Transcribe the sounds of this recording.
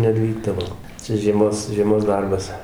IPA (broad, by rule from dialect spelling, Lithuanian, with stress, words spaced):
nʲɛˈʋʲiːɡdɐʋoː ˈt͡sʲɛ ʒʲiɛˈmoːs ʒʲiɛˈmoːs ˈdɐrbɐs